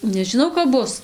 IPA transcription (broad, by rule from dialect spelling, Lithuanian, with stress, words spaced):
nʲɛʒʲɪˈnɐʊ kɐp ˈbʊs